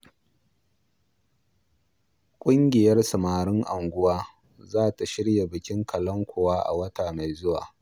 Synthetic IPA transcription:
kʷʼʊ˦ŋɡʲɪ˨jɐ˦rsɐ˨maː˨ɽɪ˦ŋʔa˨ŋɡʷʊ˦waː˦ | zaː˦ta˨ʃɪ˦ɽja˨bɪ˨kʲɪ˦ŋkʰɐ˨lɐ˦ŋkʷoː˨waː˦ʔa̰˨wɐ˦taː˨ma˨jzʊ˦wa̰ː˨

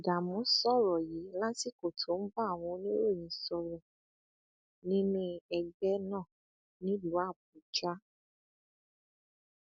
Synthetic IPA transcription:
da˨mɔ̃˨˦sɔ˦˨ɾɔ˨je˨˦lã˦si˦˨ko˨tʰo˨˦n̩˦ba˦˨w̃ɔ̃˧˦nĩ˦ɾo˦˨jĩ˨sɔ˧ɾɔ˨ | nĩ˦nĩ˦ɛ˧ɡ͡bɛ˦nãː˦˨ | nĩ˦lu˨˦a˦˨b̚u˨˦d͡ʒa˦

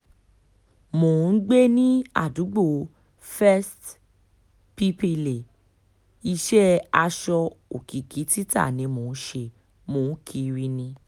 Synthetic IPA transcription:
mo˨˦n̩˦ɡ͡be˦nĩ˦a̰˦˨du˨˦ɡ͡bo˦˨ | fɛ˦st | pi˦pe˧le˨ | i˧ʃɛ˦a˧ʃɔ˧o˨ki˨kʰi˨˦ti˦ta̰˦˨nĩ˨˧mo˨n̩˦ʃe˧˨ | mo˨n̩˦kʰi˧ɾi˦nĩ˧

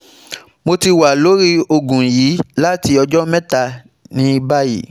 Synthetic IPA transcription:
mo˧ti˧wa˨lo˨˦ɾi˦o˧ɡũ˨ji˨˦la˦ti˧ɔ˧d͡ʒɔ˦mɛ̃˦ta˧ | nĩ˨˦˧ba˦jḭ˨

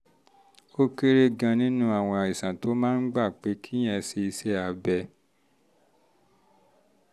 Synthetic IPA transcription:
o˦ke˦ɾe˦ɡã˧nĩ˦nũ˦a˦˨w̃ɔ̃˧a˨i˨sã˨to˨˦mãː˦n̩˦ɡ͡ba˦˨k͡pe˨˦kʰi˦j̃ɛ̃˧se˧i˧sɛ˦a˧bɛ˧

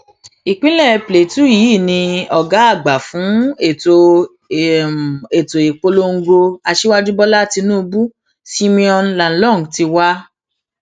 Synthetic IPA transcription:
i˨k͡pĩ˦lɛ˦˨ple˨tu˦˨jiː˨˦˨nĩ˧ɔ˨ɡa˨˦a˦˨ɡ͡ba˨fũ˨˦e˨o˨ | e˨to˨e˨k͡po˧lo˦ŋ̩˦ɡo˧a˧ʃe˦wa˦d͡ʒu˦bɔ˦la˦˨ti˧nũː˦˧bu˦ | si˧mĩ˧ɔ̃˧nla˨n̩˦lɔ̃˦˨ŋ˨ti˧wa˦

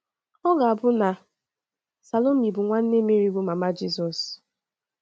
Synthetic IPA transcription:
ɔ˦ɡa˨bʊ˦na˨ | sa˨lo˦m̩˨˦i˨bʊ˨ŋʷa˦n̩˦ne˦me˦ɾi˦bʊ˨˦ma˨ma˦d͡ʒi˦sɔ˨s

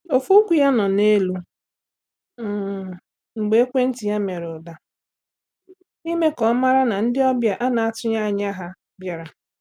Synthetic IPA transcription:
o˨fu˦kʷi˨ja˦nɔ˨ne˦lu˦˨ | ŋ͡m̩˨ɡ͡be˦e˦kʷe˦n̩˦ti˨ja˦me˨ɾʊ˨da˨ | i˦me˦kɔ˨˦ma˦ɾa˦na˨n̩˦dɪ˦ɔ˦bja˨ʔa˦na˨a˦tʊ˦ɲa˦a˨ɲa˦ɦa˦ | bja˨ɾa˨

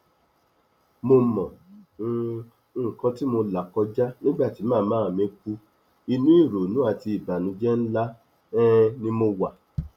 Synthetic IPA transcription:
mo˧mɔ̃˨˧˦ | kɔ̃˧ti˦mo˧la˨kɔ˧d͡ʒa˦nĩ˦ɡ͡ba˦˨ti˨˦mãː˦˨mãː˦˨mẽ˧˦k͡pu˧ | i˧nũ˦i˦˨ɾo˨nũ˨˦a˦˨ti˧i˨ba˨nũ˨˧˦d͡ʒɛ˦n̩˦la˦ | ɛ˦nĩ˦mo˧wa˨

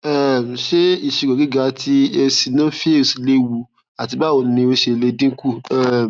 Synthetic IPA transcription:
ɛ˨ʃe˦i˦˨ʃi˨ɡo˨ɡi˦ɡa˧tʰi˧e˧si˨nã˦fi˦e˦˨si˨le˧wu˧ | a˨ti˧ba˦˨o˧˨n˦nĩ˧o˧ʃe˧˨le˧dĩ˦ku˦˨ɛ˨

